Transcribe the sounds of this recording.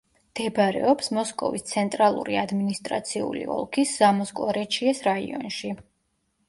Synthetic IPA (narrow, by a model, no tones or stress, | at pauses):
md̪̥ɛbɾɛ̰ɔpsmɔskʼɔvist̪sʰɛnt̪ʼɾalˠṵɾiad̪minist̪ʼɾa̰t̪sʰiṵlḭɔ̰lˠkʰisz̥amɔskʼˠɔɾɛt͡ʃʰiɛsɾaḭɔ̰nʃi